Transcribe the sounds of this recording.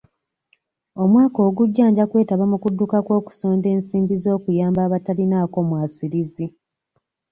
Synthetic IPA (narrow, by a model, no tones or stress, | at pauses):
o̞mwaːko̞ːɡuɟːaːɲɟakwe̞ːtaβamukudːukakwo̞ːku̥so̞ːnde̞ːnsiːmbizo̞ːkujaːmbaːβatalinaːko̞mwaːsiɾizi